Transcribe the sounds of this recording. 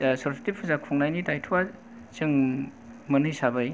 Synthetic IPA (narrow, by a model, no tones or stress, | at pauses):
sosʰi̥tip̚pʰuzakʰɔŋnajnitajtʰuwa | t͡ʃɯŋ | mɐnɯjsabɯj